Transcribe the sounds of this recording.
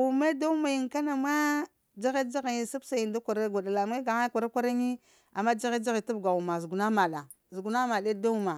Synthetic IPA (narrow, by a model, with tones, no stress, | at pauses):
u˨me˦da˦ma˨ji˨ŋka˦na˨ma˦ | d͡ʒa˦ɣe˦d͡ʒa˦ɣi˨i˨su˦bsa˨i˨nda˦kʷa˨ɾa˦ɡʷa˨da˨la˨m˦a˦ɡa˨ŋa˦kʷa˨ɾa˦kʷa˦ɾa˦ŋi˦ | a̰˨mːa˦d͡ʒa˦ɣe˦d͡ʒa˦ɣi˨ta˦bɡa˨u˨ma˨zu˨ɡu˨na˦ma˨ɗa˨ | zu˨ɡu˨na˦ma˨de˦da˦u˦ma˨